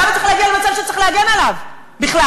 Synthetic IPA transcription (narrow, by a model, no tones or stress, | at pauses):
bet̪eiχleaɡialemat͡savʃet͡s̪ʁiχlehaɡenalav | biχla